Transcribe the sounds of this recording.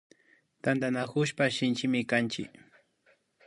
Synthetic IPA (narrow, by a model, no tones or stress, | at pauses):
t̪and̪anakʊʃpaʃɪnt͡ʃɪmɪkant͡ʃɪ̰k